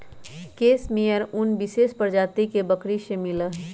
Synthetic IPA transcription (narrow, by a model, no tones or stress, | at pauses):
keːsmijəɾʊnbɪʃeːʃpəɾd͡ʒaːt̪ikebɐkɾiʃemɪlaɦ